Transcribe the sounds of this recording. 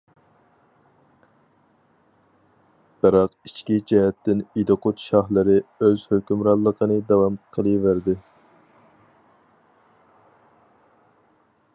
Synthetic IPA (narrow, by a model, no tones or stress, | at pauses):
b̥ɨɾɑqit͡ʃkʲid͡ʒɛɦɛt̪ːɪnid̪oqot̪ʃɑhlˠɨɾɪøzhøkʲymɾɑllˠːəqʰənɨd̪ɛwɑmqʰəlˠɨvæɾd̪ɪ